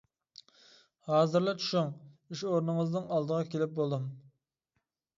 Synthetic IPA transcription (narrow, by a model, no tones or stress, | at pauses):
hɑːzɨɾlˠɑt͡ʃʰu̥ʃuŋyʃoɾnɨŋəznɨŋɑlˠd̪əʁɑkʲelɪp̚bolˠd̪ɨm